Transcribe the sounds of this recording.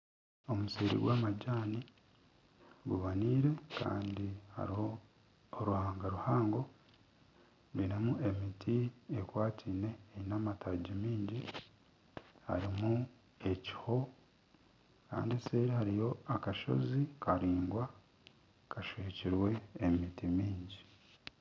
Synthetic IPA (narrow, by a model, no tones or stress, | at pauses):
o̞museːɾḭɡwaːmaɟaːni | ɡuβaniːɾe̞ka̰ːndiha̰ɾiho̞ː | ɾuhaːŋɡaɾuhaːŋɡo̞ | βinamuʔe̞mitʰiekwaːtʰiːne̞ːinamatʰaɟimiːɲɟi | ha̰ɾimu | e̞ci̥ho̞ | ka̰ːndisseːɾihaɾijo̞akaʃo̞̰zikʰaɾiːŋɡwa | kaʃweːciɾwe̞ːmitimiːɲɟi